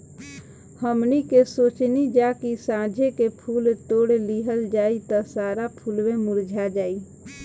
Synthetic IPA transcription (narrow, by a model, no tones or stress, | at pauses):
həmnikesoːt͡ʃnid͡ʒaːkisãːd͡ʒʱekepʰuːlʈ̪oːɽliːɦəld͡ʒaːit̪asaːɾapʰuːlwẽmʊɾd͡ʒʱad͡ʒaːiː